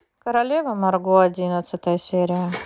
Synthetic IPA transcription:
kəɾɐlʲevəmɐrɡoɐdʲinət̪sɨt̪əjəsʲeɾʲɪjə

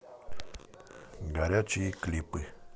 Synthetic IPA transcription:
ɡaɾjat͡ʃiklipɨ

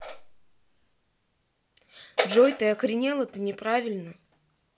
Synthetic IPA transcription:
ʐojt̪əɐxɾʲɪnʲelˠət̪ɨnʲɪpɾavʲɪlʲnə

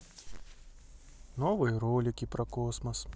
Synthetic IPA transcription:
noːʋɔjɾoːlʲɪkʲiːpɾɐkoːsmɐs

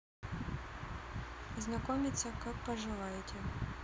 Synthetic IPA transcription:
znɐkɔmʲɪt̪sʲɐkak̚pɐʒɪʋajetʲʰɛ

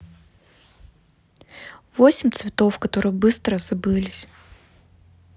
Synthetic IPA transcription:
vosʲɪmʲt̪svʲɪt̪o̞fkɐt̪o̞ɾɨjəbɨst̪ɾəz̥ɐbɨlʲɪsʲ

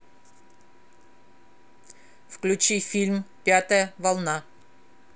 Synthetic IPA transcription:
fklʲʉt͡ɕifʲilʲmpʲat̪əjəvalˠna

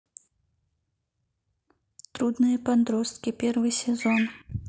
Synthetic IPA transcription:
t̪ɾud̪nɨjəpɐd̪ɾo̞st̪̚kʲɪpʲervɨjsʲɪzon

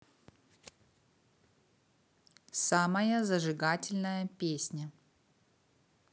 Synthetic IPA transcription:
samɐjəzɐʐɨɡatʲɪlʲnəjəpʲesʲnʲɐ

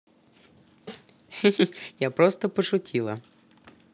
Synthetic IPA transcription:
japɾɔst̪ɔpɔʃʊtʲʰilˠɐ

